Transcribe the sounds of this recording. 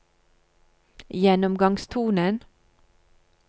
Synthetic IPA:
jɛnɔmɡɑŋst̪ʰuːnən

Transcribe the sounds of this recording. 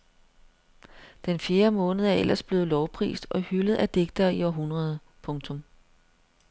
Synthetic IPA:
d̥enfje̝ːɐmɔ̽ːnəð̞̩ˠæɐel̰ʔɐsb̥le̝ːð̩ˠlɒʊpʰʁḭːsd̥ɒ̽hyləð̞̩ˠʔæd̥e̝ɡ̥̚d̥ɐːiɒɐɦunʁɐðˠə | pʰɔ̽ŋt͡sʰɔ̽m

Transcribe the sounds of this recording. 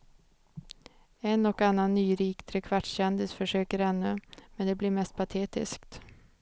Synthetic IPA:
ɛnɔkanːanːyːɾiːkt̪ʰɾɛkʰvaʈːɕɛnd̪ɪsfœʂøːkəɾɛnːɵmɛnd̪ɛblɪɾmɛst̪̚pʰat̪ʰeːt̪ɪ̰skt̪

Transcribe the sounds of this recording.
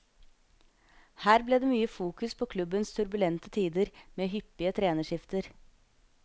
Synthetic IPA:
hæːɾbleːd̪eːmyːəfuːkʉspʰoːkʰlʉbənst̪ʰʉɾbʉlɛnt̪ət̪ʰiːd̪əɾmeːɦʏpːɪət̪ʰɾeːnəʂɪft̪əɾ

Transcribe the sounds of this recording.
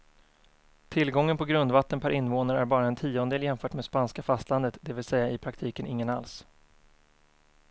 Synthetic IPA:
t̪ʰɪlɡɔŋːənpʰɔɡɾɵnd̪vat̪ːənpʰæɾʔɪnvoːnaɾæɾbɑːɾaɛnt̪ʰiːɔnd̪eːljɛmfœːʈmeːd̪spanskafast̪land̪ət̪d̪ɛvɪlsɛjːaɪpʰɾak̚t̪ʰiːkənʔɪŋːənals

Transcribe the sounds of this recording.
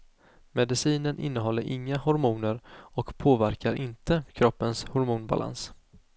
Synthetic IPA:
mɛd̪ɪsiːnənʔɪ̰nːəɦɔlːəɾʔɪŋːahʊɾmuːnəɾɔkpʰoːvæɾkaɾʔɪnt̪əkʰɾɔpːənshʊɾmuːnba̰lʔa̰ns

